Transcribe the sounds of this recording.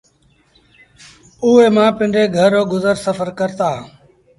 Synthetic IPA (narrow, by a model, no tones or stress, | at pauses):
uːeːmãːpɪ̃ɳɖeːɡʱəɾoːɡʊzəɾsəfəɾkəɾt̪aː